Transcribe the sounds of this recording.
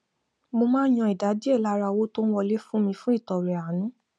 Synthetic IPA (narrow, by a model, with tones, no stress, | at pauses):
mo˧mãː˦j̃ɔ̃˧i˨da˨˦di˦ɛ˦˨la˨˦ɾa˧wo˦to˦n˦wɔ˧le˦fũ˦mĩ˧fũ˦i˦˨tɔ˨ɾɛ˨a˨nũ˨˦